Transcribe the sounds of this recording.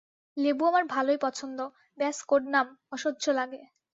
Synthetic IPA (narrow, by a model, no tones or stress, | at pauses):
lebuamaɾbʱalojpɔt͡ɕʰond̪o | bɛskoʈnamɔʃod̪ːd͡ʑʱolaɡe